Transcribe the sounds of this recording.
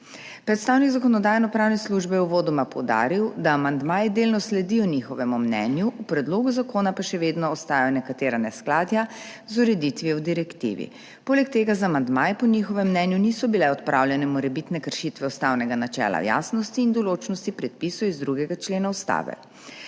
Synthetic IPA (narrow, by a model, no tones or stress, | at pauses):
pɾɛt̪st̪aːwniɡzakɔnɔd̪aːjɛnɔpɾaːwnɛsluʒbɛjɛuʋoːd̪ɔmapɔwd̪a̰ːɾiwd̪aːmand̪maːjɛd̪eːlnɔslɛd̪ijɔnixɔʋɛmumnɛ̰njuʔupɾɛd̪loːɡuzakoːnapaʃɛʋeːd̪nɔːst̪aːjɔnɛkat̪eːɾanɛsklaːd̪ja | zuɾɛd̪it̪ʋiɛwd̪iɾɛkt̪ḭʋḭ | poːlɛk̚t̪eːɡazamand̪majɛpɔnʲixɔʋɛmːnɛnjunisɔbilɛɔt̪pɾʔaːwlʲjɛnɛmɔɾɛbit̪nɛkəɾʃit̪ʋɛust̪awnɛɡanat͡ʃɛ̰ːla̰ja̰snɔst̪iːnd̪ɔloːt͡ʃnɔst̪ipɾɛt̪̚pisɔizd̪ɾuɡɛɡat͡ʃleːnaust̪a̰ːʋɛ̰